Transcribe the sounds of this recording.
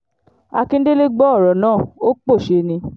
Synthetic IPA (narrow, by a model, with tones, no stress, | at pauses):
a˧kĩ˦n̩˦de˦le˦ɡ͡bɔ˦ɔ˦˨ɾɔ˨nãː˦˨o˦k͡po˦˨ʃe˧nĩ˧